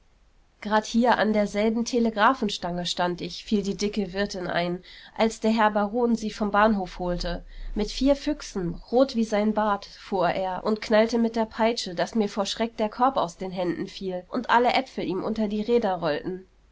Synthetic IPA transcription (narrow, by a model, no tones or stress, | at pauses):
ɡ̥ʁaːthiːɐʔa̰ndeːɐzɛlbm̩tʰeləɡʁaːfn̩ʃtaŋəʃtantɪçfiːldiːdɪkəvɪɐtɪnʔa̰ɪnʔalsd̥eːɐɦɛɐbaʁoːnziːfɔmbaːnɦoːfhoːltəmɪtfiːɐfʏksn̩ʁoːtv̥iːzaɪnbaːtfuːɐʔeːɐʔʊntkʰnaltəmɪt̚d̥eːɐpʰaɪt͡ʃədasmiːɐfoːɐʃʁ̥ɛk̚d̥eːɐkʰɔɐpa̰ʊsd̥eːnɦɛndn̩fiːlʔʊntʔaləʔɛfl̩ʔiːmʔʊ̰ntɐdiːʁeːdɐʁɔltn̩